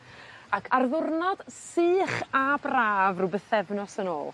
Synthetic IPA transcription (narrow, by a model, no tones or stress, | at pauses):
akʰarðʊrnɔd̥sɨːχabraːvrʊbəθɛvnɔsəno̰ːlˠ